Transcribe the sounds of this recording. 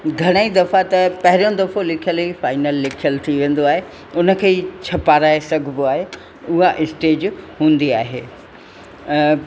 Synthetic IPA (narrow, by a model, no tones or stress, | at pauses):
ɡʱɐɽ̃əĩd̪ɐfat̪ɐpɐɦɪɾjõd̪ɐfõlɪkʰijəlifaːɪnəlːɪkʰijəlt̪ʰiʋẽːn̆d̪oaːɦe | ʊnə̆kʰeːt͡ɕʰɐpaːɾaːɦesɐɡʱboaːɦe | ʊɦaʔɪsʈeːd͡ʑɦũːn̆d̪iaːɦḛː